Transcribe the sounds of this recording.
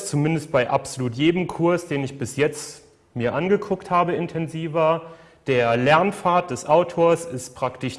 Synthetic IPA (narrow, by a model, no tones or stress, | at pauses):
t͡sumɪndəst̚b̥aɪʔapz̥oluːtjeːdəmkʰʊɐsd̥eːnɪçb̥ɪsjɛt͡st | miːɐʔanɡəkʰʊkthaːbəɪntʰɛnziːvɐ | d̥eːɐlɛɐnfaːɐt̚d̥ɛsʔaʊtʰoːɐsɪstpʁ̥aktɪʃ